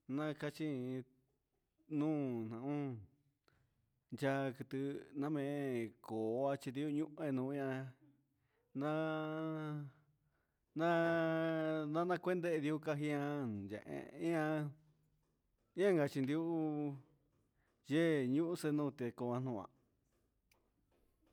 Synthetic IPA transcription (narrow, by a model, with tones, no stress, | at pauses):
nã˧ka˧t͡ʃi˦˧ | nũː˦n̥ã˨ʔũ˦ | nd͡ʒa˦˧kɨ˧t̪ɨ˧nã˦˧mẽ˧koː˨˧a˧t͡ʃi˧nd̪i˧˦u˦˧ɲũ˦ʔẽ˧nũː˧ĩ˦ã˧ | nã˧ | nã˦ | nã˦nã˦˧kʷe˦nd̪e˦e˧ði˧u˦˧ka˧ɦi˧ã˧˨nd͡ʒḛ˨ʔḛ̃˧ĩ˦ã˧ | ɲ˦ã˦ŋɡa˧t͡ʃi˧nd̪i˧u˦ | je˦ɲũ˦ʔu˦se˧nũ˦˧t̪e˧ko˧ã˧n̥ũ˧˨ã̰˧